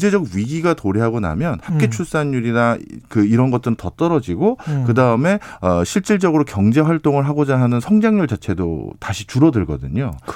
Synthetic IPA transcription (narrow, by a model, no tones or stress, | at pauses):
d͡ʑe̞d͡ʑʌɡɥiɡiɡatoɾiɦaɡona̰mjʌnhap̚k͈et͡ɕʰuɭs͈anːuɾinakɯiɾʌnɡʌt̚t͈ɯɾɯntʌt͈ʌɾʌd͡ʑiɡokɯdaɯme̞ʌɕʰiɭt͡ɕ͈iɭd͡ʑʌɡɯɾokjʌŋd͡ʑe̞waɭt͈oŋɯɭɦaɡod͡ʑaɦanɯnsʰʌŋd͡ʑaŋɲuɭt͡ɕat͡ɕʰe̞do̰taɕʰit͡ɕuɾʌdɯɭɡʌ̰dɯ̰ɲo